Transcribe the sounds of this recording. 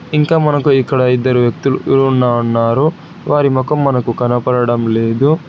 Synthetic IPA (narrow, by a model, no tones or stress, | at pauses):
iŋkaːmɐnɐkuikːɐɽɐid̪ːɐɾuʋjɐk̚t̪uluʔiɾuːnːaːunːaːɾu | ʋaːɾimɔkɐmːɐnɐkukɐnɐpɐɾɐɽɐmle̞ːd̪u